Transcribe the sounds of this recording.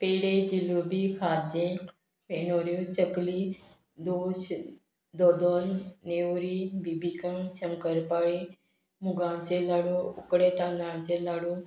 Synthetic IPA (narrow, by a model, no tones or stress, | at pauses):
peɽed͡ʒiloːbikʰaːd͡ʒẽ | menoːɾjot͡ʃəkliː | d̪oːʃ | d̪ɔːd̪ɔːlneːɾiːbibikãŋsəŋkəɾpaːɽe | mʊɡãːnt͡ʃelaːɽoʊkɽeːt̪ãːnd̪ãːnt͡ʃelaːɽuː